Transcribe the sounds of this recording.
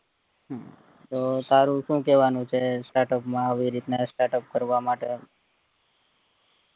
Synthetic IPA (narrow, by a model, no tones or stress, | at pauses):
ɦã | t̪ot̪aɾũʃũkɛʋanũt͡ʃʰesʈaɾʈəpmãəʋiɾit̪nasʈaɾʈəp̚kəɾʋamaʈe